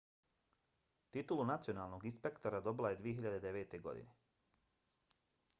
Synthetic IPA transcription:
t̪it̪ulunat̪sijo̞naːlˠno̞ɡinspe̞kt̪oɾad̪o̞bilaje̞d̪ʋijeɦiʎad̪e̞d̪e̞ʋeːt̪e̞ɡo̞̰d̪ḭne

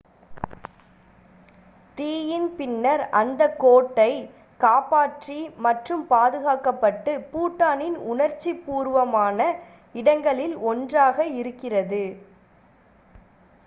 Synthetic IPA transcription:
t̪iːjɪnpɪnːɐɾɐ̰nd̪ɐkːoːʈːɐɪ | kaːpaːʈrimɐʈrɯmpaːðɯɣaːkɐpːɐʈːɯpuːʈːaːnɪnʊnɐɾt͡ʃːipːuːɾʋɐmaːnɐ | ɪɽɐŋɡɐɭɪlɔndraːɣɐɪɾɯkːɪrɐðɯ

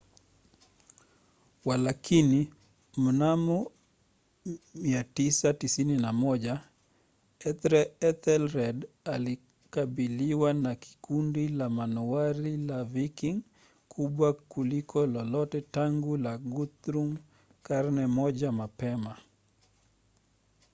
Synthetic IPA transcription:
walakʰini | m̩namɔ | miatisatisininamɔʄa | ɛtɾɛɛt̪ɛlɾɛd | ali | kabiliwanaki̥kundilamanɔaɾilavikiŋ | kʰuɓwakulikʰɔlɔlɔtɛtaŋɡulaɡut̪ɾum | kaɾnɛmɔʄamapɛma

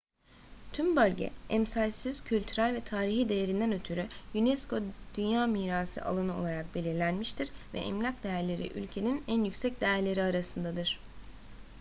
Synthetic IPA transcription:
t̪ʰymbølʲɟɛ̰ɛmsalʲsiz̥cʰylʲt̪ʰyɾælʲvɛt̪ʰaːɾiɦid̪e̞je̞ɾind̪ænø̞t̪ʰyɾyjynɛsko̞d̪̥ynjaːmiːɾaːsɯ̰ʔa̰lˠanɯo̞lˠaɾak̚belʲiɾlʲænmiʃt̪ʰiɾvɛ̰ʔɛ̰mlʲacd̪e̞jæɾlʲe̞ɾḭʔy̰lʲcʰe̞ninænjycʲsɛc̚d̪e̞jæɾlʲe̞ɾiaɾasɯnd̪ad̪ɯɾ̥

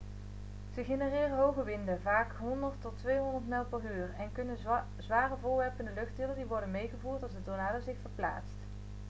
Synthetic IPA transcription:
z̥əχenərɪːrənɦowɣəʋɪndəvaːkɦɔndəɹtɔtʋejɦɔndəɹtmɛlˠpəryːrɛnkɵnə | zʋaːrəvʊːɹʋɛɹpəndəlɵχtdɪlˠədiʋɔɹdənmejχəvuːɹtɑlˠsdədonaːdəzɪxfəɹpla̰ːtst

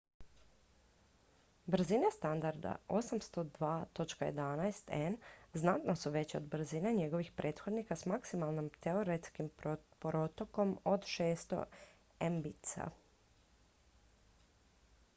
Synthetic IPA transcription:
bɾzinest̪and̪aɾd̪a̰o̞samst̪o̞d̪ʋaːt̪o̞t͡ʃkajḛd̪anaest̪enznat̪nosuʋe̞t͡ɕod̪bɾ̩zineɲe̞ɡo̞ʋixpɾʔe̞ːt̪xo̞d̪nikasmaksimalˠnimt̪eoɾet̪skimpɾo̞t̪oko̞mo̞d̪ʃeːst̪o̞̰ | embit̪sa̰

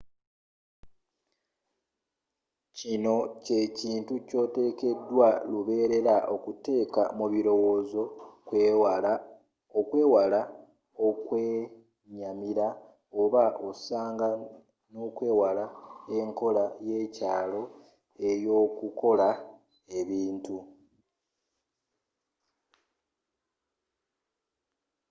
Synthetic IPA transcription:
cino̞ce̞ciːntuco̞ːte̞ːke̞dːwaluβe̞ːɾe̞ɾaʔo̞kute̞ːka̰muβiɾo̞wo̞ːzo̞kw | okwe̞ːwala | o̞kwe | ɲamiɾa | oβaʔosaːŋɡa | no̞kwe̞ːwalae̞ŋko̞laje̞caːlo̞ | e̞jo̞ːkuko̞la | e̞βiːntu

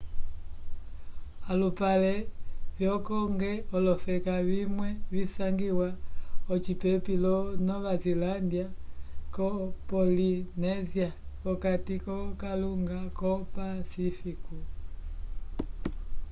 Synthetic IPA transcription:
alupalɛvjɔkɔŋɡɛɔlɔfɛkavimwɛvisaŋɡiwaɔt͡ʃipɛpilɔnɔβazilandiakɔpɔlinɛziakɔkatikɔkaluŋɡakɔpasifiku

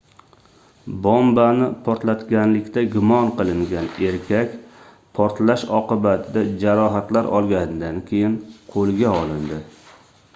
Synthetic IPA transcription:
bɒmbanɪpʰɒɾt̪lat̪ɡʲanlɪkʲt̪aɡʲʊmɒnqɨlˠɪŋɡʲane̞ɾkʲʰakʲ | pʰɒɾt̪laʃɒqɨbat̪ʰɪd̪ad͡ʒaɾɒɦat̪laɾɒ̰lˠɡʲanɪd̪ankʲʰe̞jɪnqʰolˠɡʲaɒlˠɪnd̪ɪ

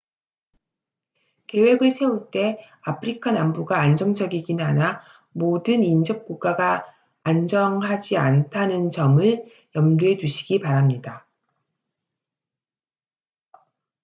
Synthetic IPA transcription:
ke̞we̞ɡɯɭsʰe̞uɭt͈e̞ | apʰɯɾikʰanambuɡaːnd͡ʑʌŋd͡ʑʌɡiɡinana | modɯnind͡ʑʌp̚k͈uk͈̚aɡaː | nd͡ʑʌŋɦad͡ʑiantʰanɯnt͡ɕʌmɯɭ | jʌmdue̞duɕʰi̥ɡipaɾamɲida

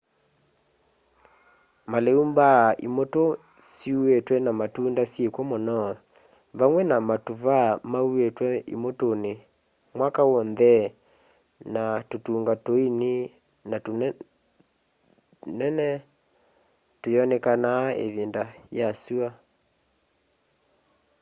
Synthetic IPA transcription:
maleumbaʔimoto | siuetwɛnamatuːndasjekwɔmɔnɔ | vaŋwɛnamatuvamauetwɛḭmotone | mwakawɔnðɛ | natotuːŋɡatoine | nato | nɛnɛ | tojɔnɛkanaḛðendajasua

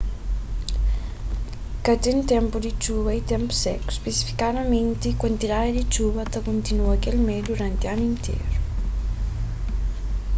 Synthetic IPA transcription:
kat̪ent̪ɛmpud̪it͡ʃuβait̪ɛmpsɛ̰kspesi̥fi̥kaðament̪ikwant̪iɾaed̪it͡ʃuβat̪akunt̪inuakɛlmed̪uɾant̪ianint̪ʰḛɾu

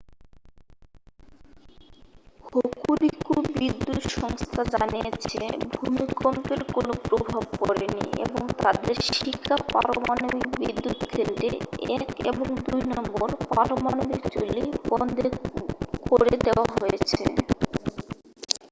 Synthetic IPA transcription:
hokulikubɾid̪ːut̪ʃɔŋst̪ʰad͡ʑanijet͡ɕʰebʱumikɔmpeɾkonopɾobʱab̚kɔɾenḭḛboŋt̪ad̪eɾʃikʰːapa̰ɾomanobikbid̪ːut̪kʰelʈ̪ḛɛkḛboŋd̪ujnɔmboɾpaɾomanobikt͡ɕolibɔnd̪ʱekoɾed̪eoaɦojet͡ɕʰḛ

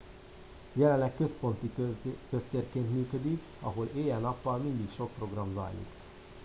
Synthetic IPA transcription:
jɛlɛnlːɛkkø̞spont̪ikøst̪eːrkeːnt̪myːkød̪ik | ɒ̰ɦo̞leːjɛnɒpːɒlmind̪ikʃo̞k̚pro̞ɡrɒmzɒ̰jlḭk

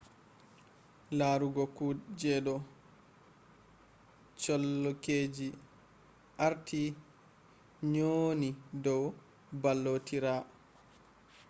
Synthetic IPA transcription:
laɾuɡɔkud͡ʒɛdɔ | t͡ʃɔlːɔkeːd͡ʒi | ʔaɾtʰi | ɲonidɔw | balːotiɾa

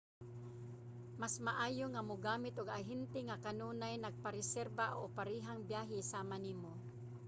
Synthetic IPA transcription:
masmaʔaːjoŋamʊɡaːmɪt̪ʊɡaɦɪnt̪ɪŋakanuːnajnaɡ̚paɾɛsɛɾbaʔo̰paɾiːɦaŋbjaːɦɪsaːmanimo

